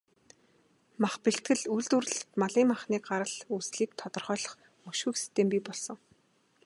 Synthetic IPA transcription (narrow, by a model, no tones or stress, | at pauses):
maχpeɬt̪ɡɘ̆ɮujɮt̪ur̆ɮt̪maɮiːŋmaχniːkɢaɾə̆ɮusɮiːk̚t̪ʰɔt̪ɞ̆rχœːɮɞ̆χ | mɵʃŭjkxsi̥t̪eːmpʲipɔɮsɞ̆ŋ